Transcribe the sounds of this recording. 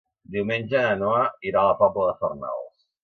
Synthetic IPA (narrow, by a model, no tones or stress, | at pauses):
d̪iwmenʲʒəənoaiɾaləpabləðəfərna̰lˠs